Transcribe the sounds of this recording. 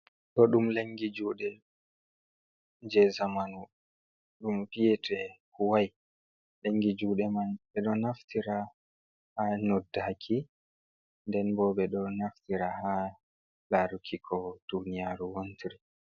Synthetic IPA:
ɗɔɗumleŋɡid͡ʒuːɗɛ | ɲd͡ʒɛzamanu | ɗumpijɛtɛkuwaj | leŋɡid͡ʒuːɗɛmanɓɛɗɔnaftʰiɾa | hanodːakʰi | ndɛnbɔːɓɛɗɔnaftiɾaha | laɾukʰikʰɔd̥unijaɾuwontʰiɾi

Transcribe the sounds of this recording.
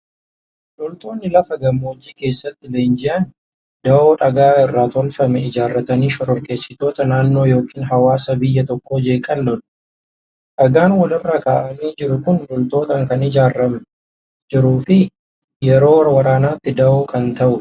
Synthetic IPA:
lʊlt̪o̞ːnːɪlɐfɐɡɐmːoːd͡ʒːiːke̞ːsːɐt̪ːɪle̞ːnd͡ʒɪʔɐn | d̪ɐʔoːᶑɐɡaːɪrːaːt̪ɔlfɐmɛɪd͡ʒaːrːɐt̪ɐniːʃɔɾɔɾkʼe̞ːsːɪt̪o̞ːt̪ɐnaːnːoːjo̞ːkʰiːnɦɐwaːsɐbɪjːɐt̪ɔkːo̞ːd͡ʒe̞ːkʼɐlːɔᶑʊ̥ | ᶑɐɡaːnwɐlɪrːɐkaːʔɐmiːd͡ʒɪɾʊkʊnlɔlt̪o̞ːt̪ɐŋkɐnɪd͡ʒaːrːɐmɛ | d͡ʒɪɾuːfɪ | jɛɾo̞ːwɐɾɐwɐɾaːnaːt̪ːɪd̪ɐʔoːkɐnt̪ɐʔʊ

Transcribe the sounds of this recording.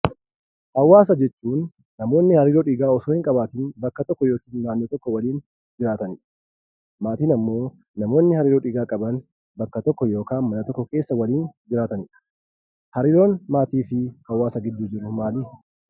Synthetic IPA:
hɐwːaːs̬ɐd͡ʒɛt͡ʃːuːnː | ɐmo̞ːnːɪhɐɾiːɾoːᶑɪɡaːɔsoːhɪŋkʼɐbaːt̪ɪnbɐkːɐt̪ɔkːɔjo̞ːkiːnːaːnːoːt̪ɔkːɔwɐliːn | d͡ʒɪɾaːt̪ɐniᶑ | maːt̪iːnɐmːo̞ː | nɐmo̞ːnːɪhɐɾiːɾoᶑɪɡaːkʼɐbɐn | bɐkːɐt̪ɔkːɔjo̞ːkaːnmɐnɐt̪ɔkːɔke̞ːsːɐwɐliːnd͡ʒɪɾaːt̪ɐniᶑɐ̥ | hɐɾiːɾo̞ːnmaːt̪iːfɪhɐwːaːsɐɡɪd̪ːuːd͡ʒɪɾʊmaːliː

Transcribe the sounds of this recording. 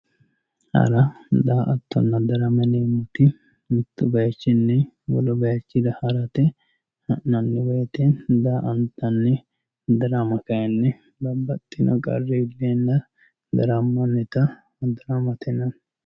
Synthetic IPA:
hɐ̰ɾɐd̪aʔɐt̪ːɔ̰nːɐd̪ɐɾɐmɐnemʊt̪ɪ | mɪt̪ːʊbɐjt͡ʃːɪnːɛ | wɔ̰lɔbɐjɐt͡ʃːɪd̪ɐhɐɾɐt̪ɛ | hɐʔnɐnːɪweːt̪end̪aːʔɐnt̪ːɐnːɛ | d̪ɐɾɐmɐkɐjɐnːɛ | bɐbːɐt̪ʼːɪnɐ̰kʼɐ̰rːeɪlːeːnːɐ | d̪ɐ̰ɾɐmːɔnːɛt̪ɐ | d̪ɐɾɐmɐt̪ʰɛnɐn

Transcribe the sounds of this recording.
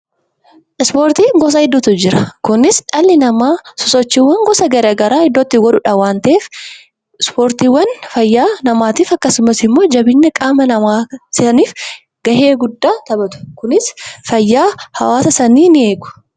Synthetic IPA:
ʔɪspoːɾt̪iːŋɡɔs̬ɐhɪd̪ːɔt̪ʊd͡ʒɪɾɐkʊnɪsᶑɐlːɪnɐmaːsɔsɔt͡ʃːiːwːɐŋɡɔsɐɡɐɾɐɡɐɾaːhɪd̪ːɔt̪ːɪɡɔᶑʊᶑɐwaːnt̪ɐʔeːf | ɪspoːɾt̪iːwːɐnfɐjːaːnɐmaːt̪iːfɐkːɐsʊmɐsɪmːo̞ːd͡ʒɐbɪnːɐkʼaːmɐnɐmaːsɐniːf | ɡ̥ɐɦeːɡʊd̪ːaːt̪ɐbɐt̪ʊ̥kʊnɪsfɐjːaːhɐwaːsɐsɐniːnɪe̞ːɡʊ̥

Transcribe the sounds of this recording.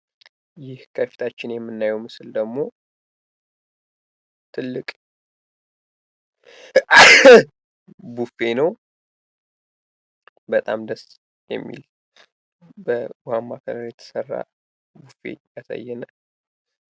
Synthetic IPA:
jɪhkʰəfi̥t̪ʰat͡ʃːɪnjɛmːɨnːajɛwmɨsɨld̪əɡmo̞ | t̪ʰɨlːɨkʼ | bufe̞nəw | bət̪ʼamd̪əs | jɛ̰mːḭl | bəɡamːakʰəɾənjɛt̪ʰə̥sərːa̰ | bufe̞̰jasa̰jːɛnə

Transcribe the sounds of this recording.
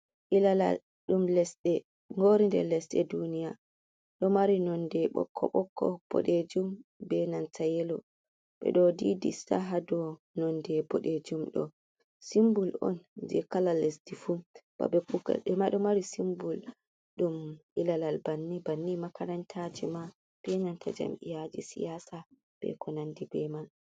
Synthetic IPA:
ʔilala̰l | ɗumlɛsɗɛ | ŋɡoɾindɛ̰lɛsɗɛ̰dunija | ɗɔmaɾinɔndɛɓɔ̰kʰːɔ̰ɓɔkʰːɔb̥ɔ̰ɗed͡ʒumbɛnantʰajɛlɔ | ɓɛ̰ɗɔdidisaɦadɔ | nɔndɛbɔɗed͡ʒumɗɔ̰ | simbulɔ̰nd͡ʒɛkalalːesdifub̥a̰bɛkuɡa̰ɗɛmaɗɔmaɾisimbul | ɗumʔilalalbanːibanːimakaɾantʰad͡ʒima | b̥ɛnantʰad͡ʒa̰mʔḭjad͡ʒisḭjasa | b̥ɛ̰kʰɔnandibɛmal

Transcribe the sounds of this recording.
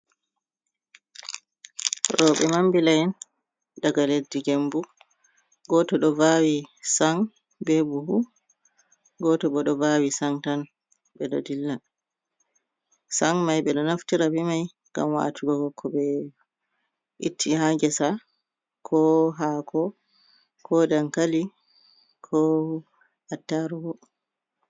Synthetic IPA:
ɾɔɓɛmambilajɛn | daɡaledːiɡembu | ɡɔtɔɗɔvawisaŋ | bebuhu | ɡɔtɔɓɔɗɔvawisaŋtan | ɓɛɗɔ̰dilːa | saŋmajɓɛɗɔnaftiɾabimaj | ŋɡa̰mwa̰tʰuɡɔɡɔkʰːɔbɛ | ʔitʰːiɦaɡɛsa | kʰɔɦakʰɔ | kʰɔdaŋkali | kʰɔ | atːaɾuɡɔ

